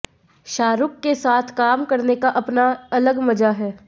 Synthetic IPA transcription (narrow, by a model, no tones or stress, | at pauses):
ʃaːɾʊkːesaːt̪ʰkaːmkɐɾnekaʔɐpnaɐləɡmɐd͡ʒaɦɛː